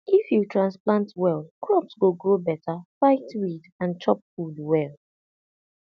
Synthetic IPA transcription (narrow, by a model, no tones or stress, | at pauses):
ʔifjutʰɹãnsplãntʰwɛlkɹɔpsɡoɡɹobɛtʰəfaɪtwidãnt͡ʃʰɔp̚fudwɛlˠ